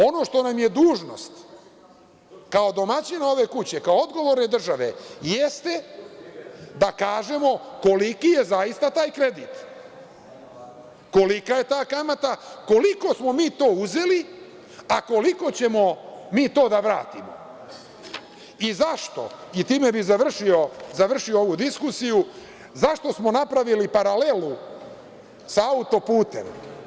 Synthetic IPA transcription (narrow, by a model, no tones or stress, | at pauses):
o̞no̞ʃt̪onamje̞d̪uːʒno̞̰st̪ | kao̞d̪o̞mat͡ɕinao̞ʋe̞kut͡ɕe̞kaood̪ɡo̞ʋoɾne̞d̪r̩ʒaʋe̞̰jest̪e | d̪akaːʒe̞mo̞ko̞likije̞zaist̪at̪aːjkɾe̞d̪iːt̪ | ko̞likaje̞t̪aːkamat̪ako̞liko̞smo̞miːt̪o̞ːuze̞li | ako̞liko̞t͡ɕe̞mo̞miːt̪o̞ːd̪aʋɾa̰ːt̪imo̰ | izaʃt̪o̞̰it̪iːme̞bizaʋr̩ʃio̞zaʋr̩ʃio̞o̞ʋud̪iskusiju | zaʃt̪o̞smo̞napɾaʋilipaɾale̞lu | saaut̪o̞puːt̪e̞̰m